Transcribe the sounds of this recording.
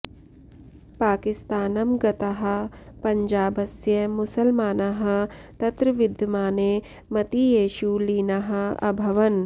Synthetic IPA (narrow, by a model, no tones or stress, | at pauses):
paːkɪst̪aːnɐmɡɐt̪ɐɦɐ̆pɐ̃ɲd͡ʒaːbɐsjɐmʊsɐlmaːnɐɦɐ̆t̪ɐt̪ɾɐʋɪd̪ʱjɐmaːneː | mɐt̪ijeːʃuliːnɐɦɐ̆ɐ̰bʱɐʋɐn